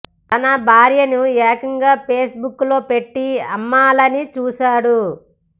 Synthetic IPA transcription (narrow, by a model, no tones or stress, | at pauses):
t̪ɐnɐbʱaːɾjɐnuɛːkɐŋɡaːpe̞ːsbukːlo̞ːpe̞ʈːiɐmːaːlɐnit͡ʃuːsaːɽu